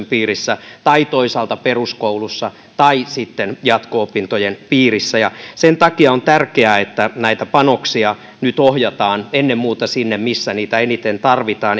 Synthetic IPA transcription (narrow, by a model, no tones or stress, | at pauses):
mpiːrisːæt̪ɑit̪oisɑlt̪ɑperuskoulusːɑ | t̪ɑisit̪ːenjɑt̪koopint̪ojenpiːrisːæjɑsent̪ɑkiɑont̪ærkeæet̪ːænæit̪æpɑnoksiɑ | nyt̪ohjɑt̪ɑːnenːemmuːt̪ɑsinːemmisːæniːt̪æenit̪ent̪ɑrʋit̪ɑːn